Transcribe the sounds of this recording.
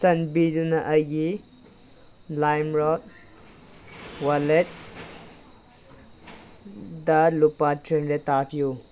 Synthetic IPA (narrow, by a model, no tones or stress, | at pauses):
sɐnbidunɐʔɐjɡi | lajmɾɔt̚ | walet̚ | dɐlupatɾenɾetapʰju